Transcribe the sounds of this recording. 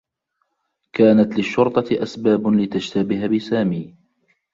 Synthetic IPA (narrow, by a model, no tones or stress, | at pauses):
kaːnat̪lɪʃːʊɾt̪ˤɑt̪ɪʔasbaːblɪt̪ad͡ʒt̪abɪhabɪsaːmiː